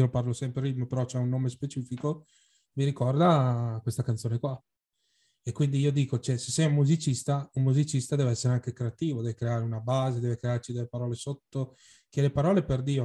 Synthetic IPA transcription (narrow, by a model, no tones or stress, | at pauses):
oloparlosɛmpɾearːit̪mopeɾɔt͡ʃɛunːoːmespet͡ʃiːfiko | miɾikɔrd̪akwest̪akant̪oːnekwa | ekːwind̪iiːod̪iːkot͡ʃɛse̥sːɛjumːuzit͡ʃist̪aummuzit͡ʃist̪ad̪ɛːveɛsːeɾeaŋkekɾeat̪iːvod̪ɛːvekɾeaːɾeunabaːzed̪ɛːvekɾeart͡ʃid̪elepaɾɔːlesot̪ːo | k̟elepaɾɔːleperd̪iːo